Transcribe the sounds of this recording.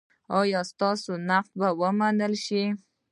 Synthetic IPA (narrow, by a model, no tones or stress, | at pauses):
ɑjɑst̪ɑsonaq̚t̪̚bawəmanəlʃi